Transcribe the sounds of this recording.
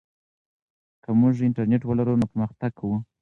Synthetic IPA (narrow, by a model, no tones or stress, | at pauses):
kamʊʐɪɳʈaɾneʈwalaɾunapəɾməxt̪aɡ̚kʰawu